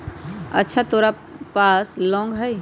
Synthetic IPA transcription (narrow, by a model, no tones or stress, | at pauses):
ə̰tːʃʰat̪oːɾa | paːslɔ̃ːŋɡɦɛj